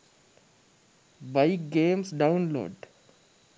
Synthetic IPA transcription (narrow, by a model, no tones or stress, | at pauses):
baɪk̚ɡeːmsɖaʊnlo̰ːɖ